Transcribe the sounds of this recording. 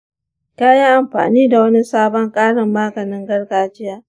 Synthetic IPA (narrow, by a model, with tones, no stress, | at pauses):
kaː˦ja˦ʔa˨mɸa̰ː˨niː˦da˨wɐ˦ni˦saː˦bɔ˦ŋkʼaː˦ɽɪ˨mːaː˦ɡɐ˨nɪ˦ŋɡɐ˦ɽɡaː˦d͡ʒɪ˦jaː˦